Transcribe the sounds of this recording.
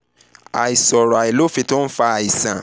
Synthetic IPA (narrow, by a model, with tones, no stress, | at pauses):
a̰˨i˨sɔ˨ɾɔ˨a˨e˨lo˦fi˧tõ˦n̩˦fa˧a˨i˨sã˨